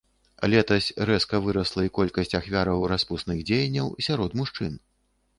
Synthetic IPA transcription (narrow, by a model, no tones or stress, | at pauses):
lʲɛt̪ɐsʲrɛskɐvɨɾɐslˠɐikɔlʲkɐsʲt͡sʲaxvʲaɾɐwɾaspusnɨɣd͡zʲejɐnʲːɐwsʲaɾɔt̪muʂt͡ʂɨn